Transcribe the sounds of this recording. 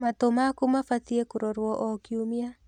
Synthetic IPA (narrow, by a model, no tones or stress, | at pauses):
mat̪omakumafat̪iekuɾɔɾwɔʔɔkiumia